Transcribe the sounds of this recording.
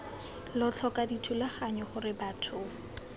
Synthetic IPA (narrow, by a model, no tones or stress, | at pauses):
lɔt͡ɬʰɔkaditʰulaχaɲɔχʊrɪbatʰʊ